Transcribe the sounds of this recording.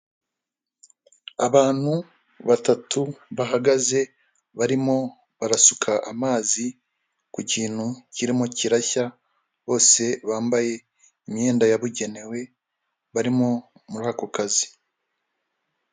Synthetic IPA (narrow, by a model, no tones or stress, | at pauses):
aβaːn̥hu | βatatuβaɦaɡaze̞ | βaɾimo̞ | βaɾasukʰaʔamaːzi | kuciːn̥huciɾimociɾaça | βo̞ːse̞βaːmbaje̞ | imje̞ːndajaβuɟe̞ne̞we̞ | βaɾimo̞ | muɾaːkokazi̥